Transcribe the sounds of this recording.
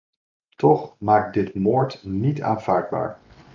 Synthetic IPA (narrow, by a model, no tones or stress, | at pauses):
tɔχmaːk̚dɪtmoːɹtnita̰ːnv̥aːɹd̚ba̰ːɹ